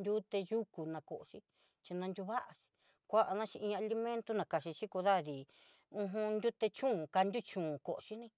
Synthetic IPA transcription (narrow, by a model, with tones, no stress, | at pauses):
nd̪ʲu˦t̪e˧ʒu˦ku˨nã˧ko˨ʔo˨ʃi˦ | t͡ʃi˧nã˧nd̪ʲu˧βa˦ʔa˧ʃi̥˧ | kʷa˦ʔa˧nã˦t͡ʃi˧ʔĩ˧a˧li˧mẽ˦nt̪u˦nã˨ka˨ʃi˧ʃi˦ko˧ða˦˨ði˨ | ũ˧ɦũ˧nd̪ʲu˦t̪e˧t͡ʃũ˦˨ka˧nd̪ʲu˦t͡ʃũ˨ko˨ʔo˨ʃi˦nĩ˦